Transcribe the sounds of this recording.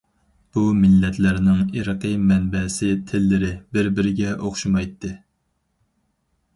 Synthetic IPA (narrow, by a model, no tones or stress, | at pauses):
b̥umɪlːɛt̪ʰlæɾnɪŋiɾəqəmɛnbɛsɪt̪ʰɪlːɪɾɪbɪɾbɪɾɪɡʲɛʔoχʃumɑjt̪ʰːɨ